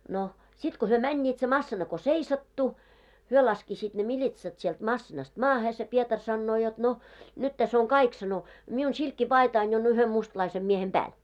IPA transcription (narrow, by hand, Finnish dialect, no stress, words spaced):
no sit ko hyø mænʲːiːt se mɑsːinɑ ko seisɑtːu hyø lɑskisiːt ne milʲitsɑt sielt mɑsːinɑst mɑːhe se pietɑr sɑnːoː jot no nyt tæs oŋ kɑik sɑno miun silkːipɑitɑin jo on yhem mustlɑisem miehem b̥æːl